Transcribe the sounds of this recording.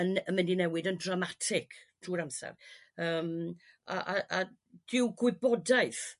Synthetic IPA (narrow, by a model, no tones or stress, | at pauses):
ənəməndinɛwɪdəndramatʰɪkʰtʰuːɾamsa̰rəːm | a̰ʔaʔa | d̥ɪwɡwɪbɔdaɨθ